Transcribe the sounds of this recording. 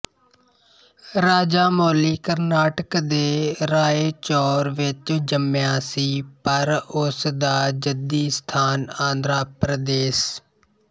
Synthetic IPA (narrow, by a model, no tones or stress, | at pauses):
ɾaːd͡ʒaːmoːliːkəɾnaːʈəkd̪eːɾaːeːt͡ʃɔːɾʋɪt͡ʃd͡ʒəmjãːsiːpəɾʊsd̪aːd͡ʒəd̪iːst̪ʰaːnãːnd̪ɾaːpɾəd̪eːs